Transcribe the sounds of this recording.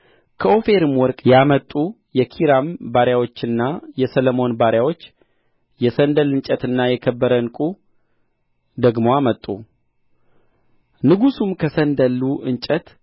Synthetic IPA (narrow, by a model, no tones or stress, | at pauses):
kʰəo̞fe̞ɾɨmwɔɾkʼjamət̪ʼːu | jɛkʰiɾambaɾjawo̞t͡ʃːɨnːajɛsələmo̞nbaɾjawo̞t͡ʃː | jɛsənd̪əlɨnt͡ʃʼət̪ɨnːajɛkʰəbːəɾənkʼu | d̪əɡmo̞amət̪ʼu | nɨɡusumkʰəsənd̪əlːuʔɨnt͡ʃʼət̪